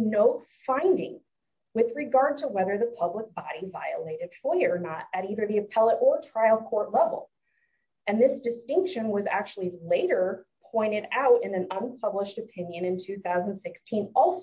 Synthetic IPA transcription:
noʊtfãɪ̃ndɪ̰̃ŋ | wɨðɹɨɡɑɹd̚tʰəwɛðə˞ðəpʰʌblək̚b̥ɑɾiva̰ɪɨleɪɾɨd̥fɔɪə˞nəɾɨɾiðə˞ðiɨpʰɛlˠəɾʔə˞tʰɹ̥aɪl̩ˠkʰɔɹtˡlɛvl̩ˠ | ɨ̃nðɪsd̥ɨstɪ̃ŋkʃɨ̃nwʌzæ̰k̚t͡ʃul̩ˠileɪɾə˞pʰɔ̃ɪ̃ɾ̃ɨɾaʊɾɨ̃nɨ̃nʌ̃npʰʌbləʃtɨpʰɪ̃njɨ̃nɨ̃ntʰʉθaʊz̃n̩d̥sɪkstʰĩnɔlˠs

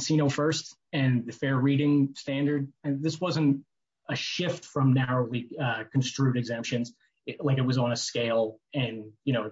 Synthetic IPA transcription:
sĩñoʊfɜ˞st | ɨ̃nðɨfɛɹɹiɾɪ̃ŋstæ̃ndə˞d̚ɨðɪswʌzɨ̃nt | ɨʃɪftfɹʌ̃mnæɹoʊlˠiʌkʰɨ̃n̩stɹ̥ʉɾɨɡzɛ̃mpʃɨ̃nz̥ | laɪkɨt̚wʌzn̩ɨskeɪlˠɨ̃njɨñoʊ

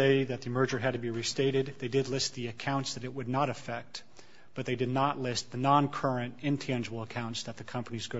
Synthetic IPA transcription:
eɪðɨt̪̚ðiɨmɜ˞d͡ʒə˞ɨd̚tɨbiɹisteɪɾɨd̪̚ðeɪdɨdˡlɪst̪̚ðiɨkʰãʊ̃ntsðɨɾɨt̚wɨdⁿnəɾɨfɛk̚t̚ | b̥ʌt̪̚ðeɪdɨdⁿnəʔˡlɪst̪̚ðɨnɑ̃nkʰɜ˞ɨ̃ntɨ̃ntʰæ̃nd͡ʒəbl̩ˠəkʰãʊ̃ntsðɨt̪̚ðɨkʰʌ̃mpənizɡo

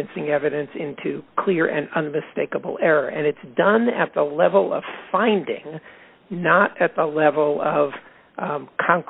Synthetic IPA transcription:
ɨ̃nsɪ̃ŋɛvɨɾɨ̃nsɪ̃ntʰʉkʰl̥ɪɹʔɨ̰̃nʌ̃nmɨsteɪkəbl̩ˠɛɹə˞ʔɨ̃nɨtsd̥ʌ̃nɨ̰t̪̚ðəlɛvl̩ˠʌ̰v̥fãɪ̃ndɪ̰̃ŋ | nəɾɨt̪̚ðəlɛvl̩ˠʌv̥ | kʰɑ̃ŋk

